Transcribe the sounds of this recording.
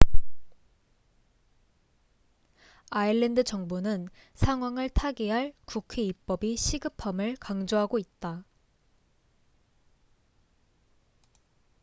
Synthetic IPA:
aiɭːendɯt͡ɕʌŋbonɯnsʰaŋɦwaŋɯɭtʰaɡiɦaɭkukʰe̞ip͈ʌbiɕʰiɡɯpʰamɯɭkaŋd͡ʑoɦaɡoit̚t͈a

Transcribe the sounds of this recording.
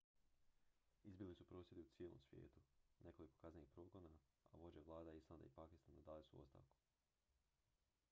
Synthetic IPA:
izbilisupɾo̞ːsje̞d̪iut̪sje̞lo̰msʋjḛːt̪une̞ko̞liko̞kazneixpɾo̞ːɡonaa̰ʋo̞d͡ʑeʋlˠaːd̪aislˠand̪a̰ipakist̪anad̪aːlisuo̰st̪a̰ːʋku̥

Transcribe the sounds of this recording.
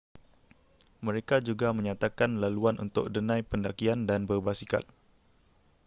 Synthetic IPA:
mə̃ɾekad͡ʒuɡamə̃ɲat̪akanlaluanʔṵnt̪ʊk̚dənãjpəndakiandanbərbasika̰t̪̚

